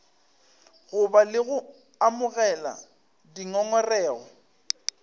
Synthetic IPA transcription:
ɣʊbalɪɣʊ | amʊɣɛla̰ | diŋɔŋɔrɛːɣɔ̰

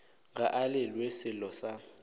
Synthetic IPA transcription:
ŋɡaʔalɪlwesɪlɔsa

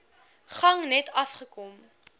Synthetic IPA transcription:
χɐŋnɛtʰɐfχəkɔm

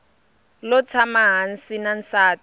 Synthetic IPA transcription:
lʊt͡sʰamaɦan̩sinan̩saːt

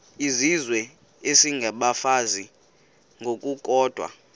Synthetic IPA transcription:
izizwɛ | esiŋɡʱaɓafazi | ŋɡʱok̬ʼuk̬ʼɔːd̥ʱwa̰

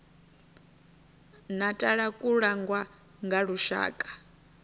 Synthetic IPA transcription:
natʼaɺakʼuɺaŋɡwa | ŋɡaɺuʃa̰ːkʼḁ

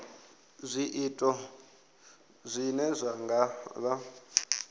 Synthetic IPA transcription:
zʷiʔitʼɔ | zʷinɛzʷaŋɡaβa

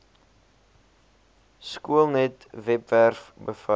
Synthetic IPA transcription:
skuəlˠnɛtvɛpværfbəfə

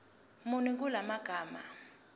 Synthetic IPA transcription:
muniŋk̬ʼulamaɡ̥ʱaːma̰

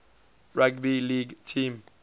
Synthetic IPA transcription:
ɹaɡbiliɡtʰim

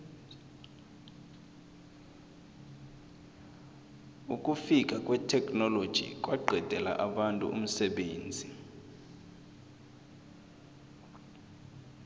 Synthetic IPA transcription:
ukʼufikʼakʼwɛtʰɛkʼnɔlod̥ʒ̥ʱḭkʼwʔaɡ͡ǃʱɛd̥ʱɛla̰ʔaɓantʼṵʔṵm̩sɛɓeːnd͡zʱi

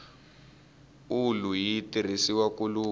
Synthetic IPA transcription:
ulujitir̤isiwakuluː

